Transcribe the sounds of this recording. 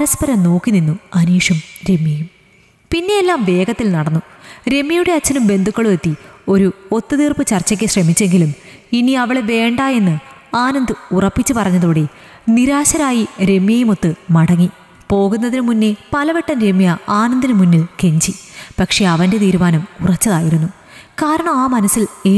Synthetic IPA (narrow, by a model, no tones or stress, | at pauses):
ɐɾɐspɐɾɐmno̞ːkːininːuɐniːʂɐmɾe̞mːjɐjum | pinːe̞jelːaːmʋe̞ːɡɐt̪ːilnɐɽɐnːu | ɾe̞mːjɐjuɽe̞ɐt͡ɕːɐnumbe̞nd̪ʱukːɐɭuʋet̪ːio̞ɾuo̞t̪ːɨt̪iːrpɨt͡ɕɐrt͡ɕːɐk̬ʲːɨɕremit͡ɕːe̞ŋɡilum | iniɐʋiɭe̞ʋe̞ːɳɖaːe̞nːɨaːnɐnd̪ɨurɐpːit͡ɕːupɐrɐɲːɐðoːɽe̞ | niɾaːɕɐɾaːjiɾe̞mːjɐjumo̞t̪ːɨmɐɽɐŋːi | po̞ːɣunːɐðinɨmunːe̞pɐlɐʋeʈːɐnɾe̞mːijɐaːnɐnd̪inɨmunːilke̞ɲd͡ʑipɐkʂe̞ɐʋɐnde̞t̪iːɾumaːnɐmurɐt͡ɕːɐðaːjiɾunːu | kaːɾɐɳɐmaːmɐnɐsile